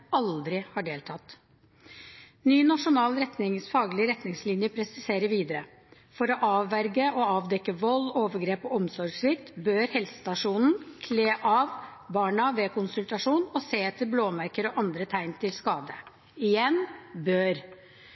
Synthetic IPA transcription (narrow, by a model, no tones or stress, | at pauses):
ɑld̪ɾɪhɑɖeːlt̪ʰɑt̪ | nyːnɑʂʊnɑːlɾɛt̪nɪŋsfɑːɡlɪəɾɛt̪nɪŋslɪnjəpʰɾɛsɪseːɾəʋiːd̪əɾə | fɔɾɔʔɑːʋʋæɾɡəʔɔɑːʋd̪ɛkːəʋɔlːoːʋəɡɾeːpɔɔmsɔɾɡsʋɪkt̪bøːɾhɛlsə̥st̪ɑʂuːnn̩kʰleːʔɑːʋbɑːɳɑʋeːkʊnsʉlt̪ɑʂuːnɔseːt̪ʰːɪlbloːmæɾkəɾɔʔɑnd̪ɾət̪ʰæɪnt̪ʰɪlskɑːd̪ə | ɪjɛnbøːɾ